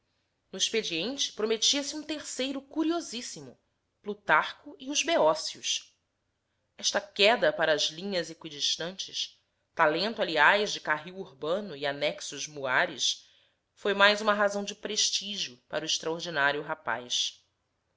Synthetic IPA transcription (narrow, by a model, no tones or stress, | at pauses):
nʊiʃped͡ʒiẽnt͡ʃɪ̥pɾomet͡ʃiɐsɪiũt̪eɾsejɾʊkuɾiozisimʊ̰ | plut̪aχkʊɪʊzbeɔsiʊ̰s | ɛʃt̪ɐkɛd̪ɐpaɾɐːzlĩɲɐzekwid͡ʒiʃt̪ɐ̃nt͡ʃɪs | t̪alẽnt̪ʊaliajzd͡ʒɪkaɦiwuɾbɐ̃nʊɪanɛksʊʒmuaɾɪ̰s | fojmajzũmɐɦazɐ̃w̃d͡ʒɪpɾeʃt͡ʃiʒiʊpa̰ɾʊɪʃt̪ɾaoɾd͡ʒinaɾjʊɦapa̰js